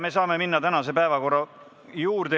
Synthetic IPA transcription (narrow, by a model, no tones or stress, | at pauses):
me̞s̬ɑːme̞minːɑt̪ænɑse̞pæevɑko̞rːɑ | juːrd̪e